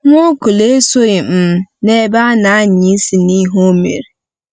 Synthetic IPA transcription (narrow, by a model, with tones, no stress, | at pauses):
ŋʷo˦kʊ˨le˦so˦i˨m̩˦ne˦ba˦na˨a˦ɲi˨˦si˨ni˦ɦo˦mḛ˨ɾi˨